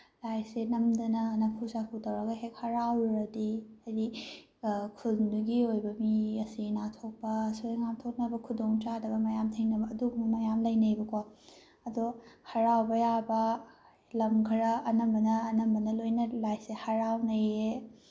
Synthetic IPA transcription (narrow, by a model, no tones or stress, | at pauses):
lajsenɐmdɐnɐnɐpʰusakʰutɐwɾɐɡɐɦekhɐɾawɾɐdiajdi | kʰulnduɡiojbɐmiɐsinatʰok̚pɐsojŋamtʰok̚nɐbɐkʰudoŋt͡ʃadɐbɐmɐjamtʰeŋnɐbɐːduɡumɐmɐjamlɐjnɐjbɐkʰo | ɐdohɐɾawbɐjabɐ | lɐmkʰɐɾɐːnɐmbɐnɐːnɐmbɐnɐlojnɐlajsehɐɾawnɐje